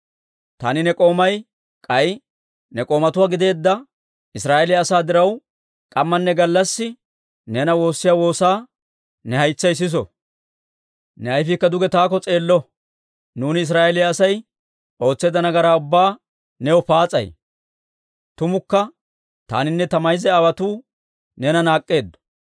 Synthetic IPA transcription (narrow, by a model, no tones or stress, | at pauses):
t̪aːnɪnɛkʼo̞ːmɐj | kʼɐj | nɛkʼo̞ːmɐt̪ʊwaːɡɪd̪e̞ːd̪ːɐ | ɪsɾaːʔɛlɪjɐːsaːd̪ɪɾɐw | kʼɐmːɐnːɛɡɐlːɐsːɪ | nɛnɐwo̞ːsːɪjaːwo̞ːsaː | nɛhɐjt͡sːɐjs̬ɪs̬ɔ̰ | nɛɐjfɪkːɐd̪ʊɡɛt̪aːkɔt͡sʼe̞ːlːɔ | nuːnɪɪs̬ɾaːʔɛlɪjɐːsɐj | ʔo̞ːt͡sːe̞ːd̪ɐnɐɡɐɾaːʊbːaː | nɛwɔpaːt͡sʼɐ̰j | t̪ʊmʊkːɐ | t̪a̰ːnɪnːɛt̪ɐmɐjzɛɐwɐt̪uː | nɛnɐnaːkʼːe̞ːd̪ːɔ̥